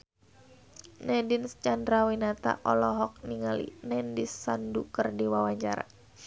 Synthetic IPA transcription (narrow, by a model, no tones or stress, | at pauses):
nɛdinst͡ʃandɾawinat̪a̰ʔɔlɔɦɔk̚niŋalḭnɛndisːandukərdiwawaɲt͡ʃaɾa̰